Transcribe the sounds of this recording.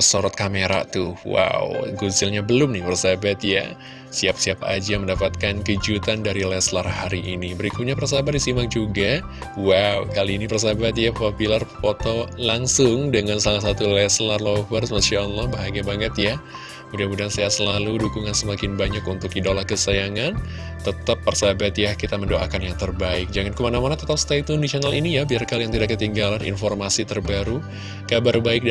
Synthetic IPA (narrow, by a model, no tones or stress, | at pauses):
əsoɾɔt̪̚kameɾa̰t̪ʊwa̰wɡuzɪlɲabəlʊmnɪhpərsabat̪ja̰ | siap̚siapa̰d͡ʒaməndapat̪̚kankəd͡ʒut̪andaɾilɛslarhaɾiʔinibəɾikʊt̪̚ɲapərsabatdisimak̚d͡ʒuɡa | waukaliːnipərs̬abat̪jafapilarpot̪ɔlaŋsʊŋdəŋansalahsat̪ulɛslarlofərsmasaːlːɑhbaɦaɡiabaŋət̪ja | udahbudansaasəlaludukuŋansəmakɪnbaɲakunt̪ʊkidalahkəsajaŋan | t̪ət̪apːərsabat̪jakit̪aməndoʔa̰kanjaŋt̪ərbaɪk̚d͡ʒaŋankəmanamanat̪ət̪ap̚st̪ait̪ɔndisionalinijabiarkalijaŋt̪idakːət̪iŋɡalanḭnfɔrmasit̪ərbaɾu | kabarbaɪk̚